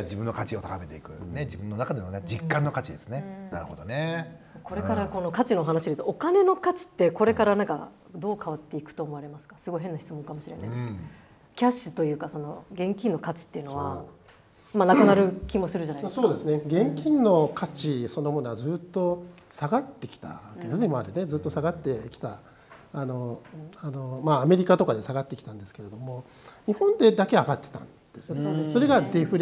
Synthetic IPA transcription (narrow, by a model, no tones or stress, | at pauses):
d͡ʑibɯ̟nːo̞kat͡ɕiot̪akame̞t̪e̞ikɯ̟̰ned͡ʑibɯ̟̃nːonakad̪emoned͡ʑikːãnːokat͡ɕid̪esɨne̞na̰ɾɯ̟ho̞d̪one | ko̞ɾe̞kaɾako̞no̞kat͡ɕino̞oɦanaɕid̪et̪oːkane̞no̞kat͡ɕi̥t̪ːe̞ko̞ɾe̞kaɾanãŋka̰ | d̪o̞ːkʰaβat̪ːe̞ikɯ̥t̪o̞ːmo̞aɾe̞masɨ̥kasɨɡo̞iɦenːaçi̥t͡sɨmõ̞ŋkamo̞ɕiɾe̞na̰jd̪s | kʲaɕːɨ̥t̪o̞jɯ̟ːkaso̞no̞ɡẽ̞ŋkʲĩnːo̞kat͡ɕi̥t̪ːe̞iɯ̟no̞βa̰ | manakɯnaɾɯ̟kʲimo̞sɨɾɯ̟d͡ʑanaso̞ːd̪e̞sɨne̞ɡẽ̞ŋkʲĩnːo̞kʰat͡ɕiso̞no̞mo̞noazɨːt̪ːo̞ | saɡat̪ːe̞kʲi̥t̪a̰kenaseɲʲimaːɾene̞zɨːt̪ːo̞saɡat̪ːe̞kʲi̥t̪a | ano̞anomaːme̞ɾʲikat̪o̞kad̪e̞saɡat̪ːe̞kʲi̥t̪ãnd̪e̞sɨ̥ke̞ɾe̞d̪o̞mo̞ | ɲ̟ihõ̞nd̪e̞d̪ake̞aɡat̪ːe̥t̪ã̰nd̪̥esɨnso̞ɾe̞ɡad̪e̞ɸɯ̟ɾ